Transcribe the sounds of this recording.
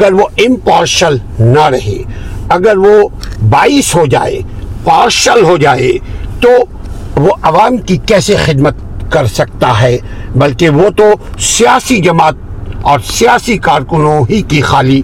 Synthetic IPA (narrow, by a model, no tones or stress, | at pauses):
ɐɡəɾʋoɪ̃mpaːɾʃəl | nɐɾɐɦḛːɐɡəɾʋo | baːiːsɦod͡ʒa̰ːḛpaːɾʃəlɦod͡ʒaːḛt̪o | ʋoʔɐʋaːmkikɛːsexɪd̪mət̪̚ | kɐɾsɐk̚t̪aɦɛː | bɐlkeʋot̪osijaːsid͡ʒɐmaːt̪̚ɔːɾsijaːsikaːɾkʊnõɦikixaːliː